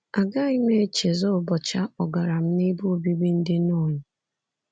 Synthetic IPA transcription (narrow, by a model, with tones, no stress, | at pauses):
a˨ɡa˦i˦me˦t͡ʃe˨zɔ˦˨bɔ˨t͡ʃa˦ɔ˨ɡa˨ɾa˨m̩˦ni˦bu˦o˦bi˦bi˦n̩˦dɪ˦no˦˨ɲʊ˨